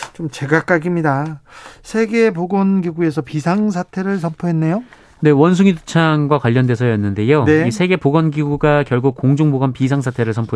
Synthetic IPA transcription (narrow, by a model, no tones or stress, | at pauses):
t͡ɕomt͡ɕe̞ɡak͈aɡimɲidasʰe̞ɡe̞poɡʌnɡiɡue̞sʰʌpisʰaŋs̬ʰatʰe̞ɾɯɭs̬ʰʌmpʰoɦe̞nːe̞jo | ne̞wʌns̬ʰuŋitʰo̥t͡ɕʰaŋɡwakwaʎːʌndwe̞sʰʌjʌnːɯnde̞joeisʰe̞ɡe̞poɡʌnɡiɡuɡakjʌɭɡuk̚k͈oŋd͡ʑuŋboɡʌnpis̬ʰaŋs̬ʰatʰe̞ɾɯɭsʰʌmpʰo